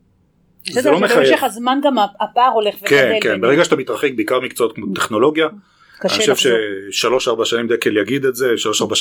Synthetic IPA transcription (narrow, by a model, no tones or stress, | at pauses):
zzelomeχajeχazmanɡamaapaːʁoleχvkenkenbeʁeɡaʃat̪amit̪ʁaχek̚beikaʁmikt͡soot̪̚kmo̞t̪e̞χno̞lo̞ɡja | ioʃevʃeʃalo̞ʃaʁbaʃanimd̪ekeljaɡid̪etzeʃalo̞ʃaʁba